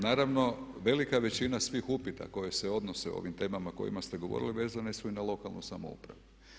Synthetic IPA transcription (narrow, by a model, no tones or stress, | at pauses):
naːɾaʋno̞ʋe̞likaʋe̞t͡ɕinasʋixupit̪a̰ko̞je̞seo̞d̪noseo̰o̰ʋimt̪e̞ːmamako̞̰jḭmast̪eɡoʋo̞̰ɾiliʋe̞ːzanesuinalˠo̞kalˠnṵsamo̰ṵpɾa̰ʋu